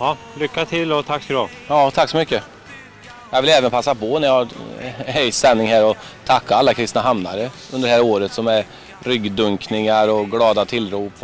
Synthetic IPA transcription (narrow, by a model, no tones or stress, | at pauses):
ɑ | lʏkːat̪ʰɪlɔt̪ʰakːsdɔ | ɑːt̪ʰakːsɔmʏkːə | jɑɡvɪlɛːvənpʰasːapʰɔnɛɾjɑɡ | ɛjsɛnːɪŋɦæːɾɔ | t̪ʰakːaalːakʰɾɪst̪naɦamna̰ɾə | ɵnd̪əɾɖɛhæɾoːɾət̪sɔmɛɾ | ɾʏɡd̪ɵŋknɪŋaɾɔɡlɑːd̪at̪ʰɪlɾuːp